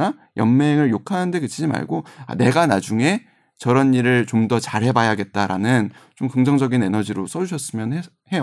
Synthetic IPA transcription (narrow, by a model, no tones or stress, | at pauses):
a | jʌmme̞ŋɯɭjokʰaɯnde̞kɯt͡ɕʰid͡ʑima̰ɭɡoa̰ne̞ɡanad͡ʑuŋe̞ | t͡ɕʌɾʌniɾɯɭt͡ɕomdʌt͡ɕaɾɦe̞bajaɡe̞t̚t͈aɾa̰nɯnt͡ɕomkɯŋd͡ʑʌŋd͡ʑʌɡine̞nʌd͡ʑiɾos͈ʌd͡ʑuɕʰʌs͈ɯmjʌne | he̞jo